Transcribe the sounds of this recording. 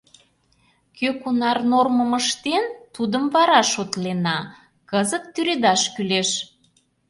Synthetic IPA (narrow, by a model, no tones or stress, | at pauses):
køkunɑrnorməməʃt̪ent̪ud̪əmvɑɾɑʃot̪lenɑ | kəzət̪ːyɾed̪ɑʃkyleʃ